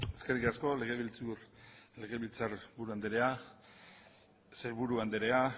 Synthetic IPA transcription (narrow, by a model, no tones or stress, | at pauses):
eske̞rikasko̞le̞ɣ̞e̞βilt͡suɾle̞ɣe̞βilt͡saɾbuɾuand̪eɾe̞a | seɾβuɾuand̪eɾe̞a